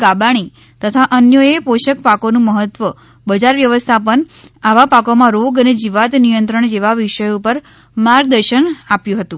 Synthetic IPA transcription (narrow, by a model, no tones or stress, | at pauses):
ɡabaɽ̃i | t̪ət̪ʰaʔənjəepoʃək̚pakonũməɦət̪ʋə | bəd͡ʒaɾʋjəʋəst̪ʰapəɳaʋapakomãɾoɡəned͡ʒiʋat̪nijənt̪ɾəɳd͡ʒeʋaʋiʃəjupəɾ | maɾɡ̚d̪əɾʃənapjũɦət̪ũ